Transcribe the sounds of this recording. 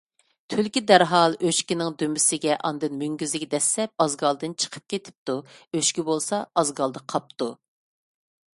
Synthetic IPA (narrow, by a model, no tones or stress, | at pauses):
t̪ʰølkʲid̪æɾɦɑlˠøʃkʲinɪŋd̪ømɪsɪɡʲɛʔɑnd̪ɨnmyŋɡʲyzɪkʲd̪ɛslɛp̚ɑzɡɑlˠd̪ɨnt͡ʃʰə̥qʰə̥p̚kʲet̪ʰɪ̥p̚t̪uøʃkʲibolˠsɑɑzɡɑlˠd̪ɨqʰɑp̚t̪u